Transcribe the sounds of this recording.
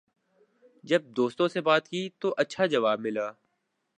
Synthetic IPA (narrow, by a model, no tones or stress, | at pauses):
d͡ʒɐb̚d̪oːst̪õsebaːt̪kiːt̪oʔɐtːʃʰad͡ʒɐʋaːbmɪlaː